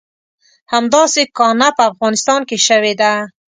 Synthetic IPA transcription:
hamd̪ɑsekɑnapaːfɣɑnɪst̪ɑnkeʃawed̪a

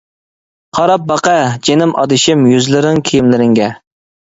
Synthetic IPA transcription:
qʰɑɾɑp̚bɑqɛd͡ʒenɪmʔɑ̰d̪ɪʃɪmjyzlɪɾɪŋkʲʰejɪmlɪɾɪŋɡʲɛ

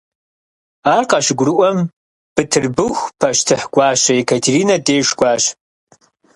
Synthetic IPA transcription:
aːrqɐʃɡʷrɨʔʷɐm | b̥ɨtʰɨrbɨxʷpʰɐʃtʰɨħɡʷɑːɕɐekʰɐtʰeɾiːnɐdeːʂɡʷɑːɕ

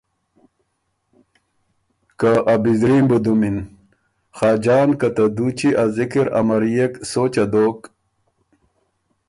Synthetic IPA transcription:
kaʔɐbizɾiːmbud̪umin | xaːd͡ʑaːnkɐt̪ɐd̪ut͡ɕiʔazikiɾɐ̰mɐɾijeksoːt͡ɕɐd̪oːk

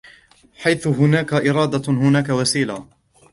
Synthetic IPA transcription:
ħajθʊɦʊnaːkaʔɪɾˤɑːd̪ahʊnaːkawasiːla

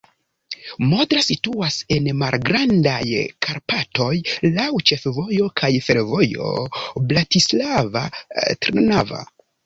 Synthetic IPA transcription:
modɾasituase̞nmalɡɾandajkʰaɾpato̞jlawt͡ʃe̞fvo̞jo̞kʰajfe̞ɾvo̞jo̞̰blatislava̰tɾnava̰

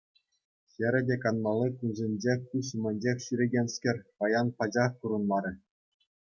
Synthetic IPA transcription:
xʲɘ̆ɾʲɘ̆dʲekɑnmɑlʲˠːikunzʲenʲd͡ʑekuɕmʲɘ̆nʲd͡ʑexʲɕyɾʲeɡʲenʲskʲɘ̆rʲpɑjɑnpɑd͡ʑɑxkuɾɤ̆nlˠɑɾʲɘ̆

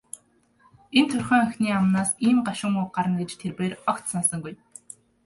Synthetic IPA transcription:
ent̪ʰɵrʲχœːŋœxʲniːamnaːsiːmɢaʃʊ̆ŋʊɢaɾə̆nɡet͡ɕt̪ʰerpeːrɔkt̪sansə̆ŋɡuj

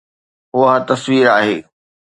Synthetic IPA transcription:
ɦʊat̪ɐsʋiːɾaːɦeː

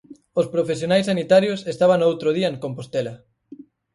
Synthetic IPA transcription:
ospɾofesjonajsːanit̪aɾjosest̪aβaŋowt̪ɾoð̞iɐeŋkompost̪elɐ

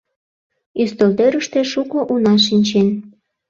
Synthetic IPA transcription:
yst̪olt̪øɾəʃt̪e̽ʃukoʔunɑʃinʲt͡ɕen

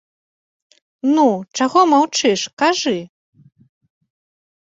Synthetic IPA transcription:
nut͡ʂaɣɔmawt͡ʂɨʂkaʐɨ

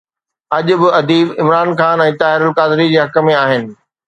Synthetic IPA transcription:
ɐʄʊ̆bɪɐd̪iːbɪmɾaːnxaːnɛ̃ːt̪aːɦɪɾʊlkaːd̪ɪɾid͡ʑeːɦɐkə̆mẽaːɦɪnɪ̆

